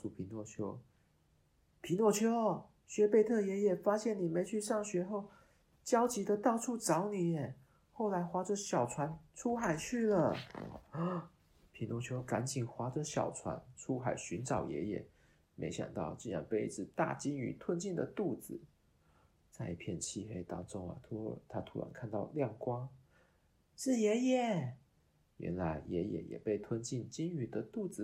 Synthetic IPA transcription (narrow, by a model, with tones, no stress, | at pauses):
u˥˩pʰi˧˥nwɔ˥˩t͡ɕʰjo˥ʊ | pʰi˧˥nwɔ˥˩t͡ɕʰjo˥ʊ | ɕɥɛ˧˥pe˥˧ɪt̪ʰɤ˥˩jɛ˧˥jɛ˨˩fa˥ɕjɛ˥˩ni˨˩me˧˥ɪt͡ɕʰy˥˧ʂɑ˥˩ŋɕɥɛ˧˥xo˥˩ʊ | t͡ɕjɑ˥ʊt͡ɕi˧˥d̪ə˧t̪ɑ˥˧ʊʈ͡ʂʰu˥˩ʈ͡ʂɑ˧˥ʊni˨˩ɛ˨˩ | xo˥˩ʊla˧˥ɪxwa˥ʈ͡ʂə˧ɕjɑ˨˩ʊt͡sʰwa˧˥nʈ͡ʂʰu˥xa˨˩ɪt͡ɕʰy˥˩lə˩ | pʰi˧˥nwɔ˧˥˩t͡ɕʰjo˥ʊka˧˥nt͡ɕi˨˩ŋxwa˧˥ʈ͡ʂə˨ɕjɑ̰˨˩ʊt͡sʰwa̰˧˥˦nʈ͡ʂʰu˥xa˨˩˦ɪɕy˧˥nʈ͡ʂɑ˨˩ʊjɛ̰˧˥jɛ̰˨˩˦ | mʔḛ˧˥ɪɕjɑ̰˨˩ŋt̪ɑ˥˧ʊt͡ɕi˥˧nɻa̰˧˥npe˥˧ɪi˥˩ʈ͡ʂɻ̩˥˧t̪a̰˥˩t͡ɕi˥ŋy̰˧˥t̪ʰwə˥nt͡ɕi˥˩nd̪ə˨t̪u˥˩d͡zɹ̩˨˩˦ | t͡sa˥˧ɪi˥˩pʰjɛ˥˧nt͡ɕʰi˥˧xe˥ɪt̪ɑ˥ŋʈ͡ʂʊ˥ŋa̰˨˩t̪ʰt̪ʰa˥t̪ʰu˧˥ɻa̰˧˥nkʰa˥˧nt̪ɑ˥˧ʊljɑ˥˩ŋkwɑ˥ŋ | ʂɻ̩˥˩jɛ˧˥jɛ˨˩ | ɥʔɛ̰˧˥nla˧˥ɪjɛ˧˥jɛ̰˨˩jɛ̰˨˩pe˥˩ɪt̪ʰwə˥nt͡ɕi˥˩nt͡ɕi˥ŋy˨˩d̪ə˧t̪u˥˩d͡zɹ̩˨˩